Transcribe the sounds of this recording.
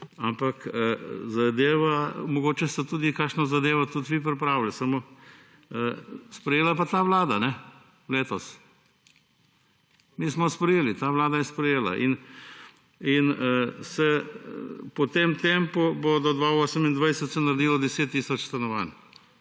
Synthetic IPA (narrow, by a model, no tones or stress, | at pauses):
ampakəzad̪eːʋamɔɡoːt͡ʃɛst̪ɛt̪uːd̪ikaːkʃnazad̪eːʋat̪ut̪ʋip̬ɾipɾaːwlɛsamo | əspɾɛjeːlapat̪aːʋlaːd̪anɛ | leːt̪ɔs | miːsmɔspɾɛjeːlit̪aːʋlaːd̪ajɛspɾɛjeːla̰ʔḭn | insɛ | pɔt̪emt̪empubod̪ɔd̪ʋaoːsəmind̪ʋajsɛt̪sɛnaɾd̪iːlɔd̪ɛseːt̪ːiːsɔt͡ʃst̪anɔʋan